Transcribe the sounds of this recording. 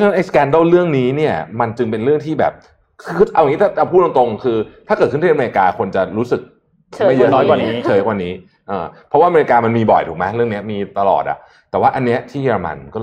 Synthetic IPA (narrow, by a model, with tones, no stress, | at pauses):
t͡ɕʰa˧na˦˥nʔa˧jskɛː˧ndə˥˩wɾɯ˥˩əŋniː˦˥ni˥˩ɐma˧nt͡ɕɯ˧ŋpe˧nɾɯ˥˩əŋt̪ʰiː˥˩bɛ̰ː˨˩p̚ | kʰɯː˧˥˩ʔa˧wŋi˦˥aː˥˩t̪a˧˩pʰuː˥˩t̚wa˧ŋt̪o˧ŋkʰɯː˧t̪ʰa˥kɤː˨˩ɯ˥˩˥me˧i˧kaː˧kʰo˧nt͡ɕa˨˩ɾuː˦˥sɯ˨˩k̚ | m˧ma˥˩jɯ˦˥nɔː˦˥jkwa˨˩n˦˥t͡ɕʰɤː˧˩jkwa˧nːiː˦˥ | ʔɤː˧pʰɾɔ˦˥waː˥ʔme˧i˧kaː˧ma˧nmiː˧bɔ̰˨˩jt̪ʰuː˨˩k̚mɛ˦˥ɾɯ˥˩əŋni˦˥ɐmiː˧t̪a˧lɔ̰ː˨˩t̪̚ʔa̰˨˩ʔ | t̪ɛː˨˩waː˥˩ʔa˧nːi˦˥ɐt̪ʰiː˥˩jeː˧ɾa˧ma̰˧nkɔː˥˩